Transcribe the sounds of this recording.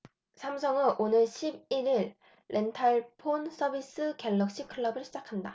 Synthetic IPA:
sʰamsʰʌŋɯnʔonɯɭɕʰib̚iɾiɭː | ʔe̞ntʰaɭpʰonsʰʌbis͈ɯkeɭːʌk̚ɕ͈ikʰɯɭːʌbɯɭɕ͈ʰid͡ʑakʰanda

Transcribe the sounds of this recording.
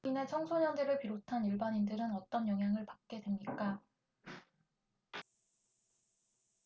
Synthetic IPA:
ine̞t͡ɕʰʌŋsʰoɲʌndeɾɯɭpiɾotʰaniɭbaɲindɯɾɯnʌt͈ʌnjʌŋɦjaŋɯɭpak̚k͈e̞dwe̞mɲik͈a

